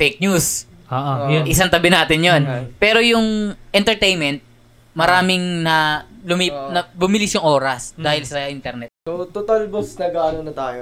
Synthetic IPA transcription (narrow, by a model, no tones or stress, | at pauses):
fejk̚ɲus | oːojoʔɪsɐŋt̪ɐbɪnaːt̪ɪnjonpɛːɾojʊŋʔɛnt̪ɛɹt̪ejnmɛnt̪̚ | mɐɾaːmɪŋnɐlʊminɐbʊmɪlɪsjʊŋʔo̞ːɾɐsd̪aːhɪlsɐʔɪnt̪ɛɾnɛt̪̚sot̪ot̪ɐlbosnɐɡaːnonɐt̪aːjo